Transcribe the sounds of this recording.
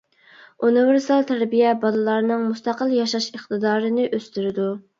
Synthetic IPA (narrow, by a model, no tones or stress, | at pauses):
univɪɾsɑlˠt̪ʰæɾbijɛbɑlˠɨlˠɑɾnɨŋmust̪ɑqəlˠjɑʃɑʃəχt̪ɨd̪ɑːɾɨnɨʔøst̪yɾɪd̪u